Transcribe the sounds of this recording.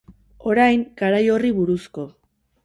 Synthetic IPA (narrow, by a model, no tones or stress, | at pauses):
o̞ɾajŋɡaɾajo̞riβuɾusko̞